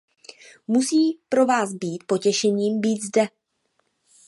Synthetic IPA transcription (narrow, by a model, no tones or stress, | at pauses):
musiːpɾo̞vaːsbiːt̪̚po̞cɛʃɛɲiːmbiːt̪zdɛ